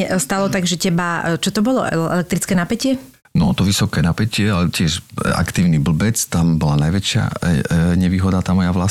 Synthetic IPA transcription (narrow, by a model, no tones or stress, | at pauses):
ɛst̪alɔt̪aɡʒɛcɛbat͡ʃɔt̪ɔbɔlɔ̰ɛ̰ʔɛ̰lɛk̚t̪ɾit͡skɛnapɛcɪɛ | nɔt̪ɔʋisɔkɛːnapɛcɪɛalɛcɪɛʃa̰kt̪iːʊnibl̩bɛt͡st̪ambɔlanajʋɛt͡ʃɪa̰ɲɛʋiːɦɔd̪at̪aːmɔjaʋla